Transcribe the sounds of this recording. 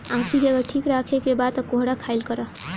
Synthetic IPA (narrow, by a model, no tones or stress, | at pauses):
ãkʰiɡeɡəʈʰikɾakʰekebad̪̚t̪əkoɦɽakʰailkəɾə